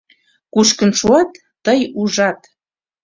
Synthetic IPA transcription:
kuʃkə̆nʃuɑt̪ːəjuʒɑt̪

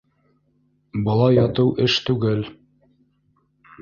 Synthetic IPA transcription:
bɤ̆lˠɑjːɑt̪ɤwʔɘʃt̪ʉɡɘl

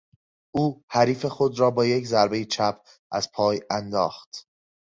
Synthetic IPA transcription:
ʔuːhæɾiːfe̞xo̞d̪ɾɒːbɒːje̞czæɾbe̞jet͡ʃʰæpʰ | ʔæz̥pʰɒːjænd̪ɒ̰ːxt̪

